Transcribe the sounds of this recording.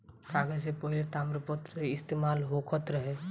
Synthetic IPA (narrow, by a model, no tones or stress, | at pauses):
kaɡəsepɔɦilet̪amɾəpət̪ɾeɪst̪emaːlɦokʰət̪ɾəɦe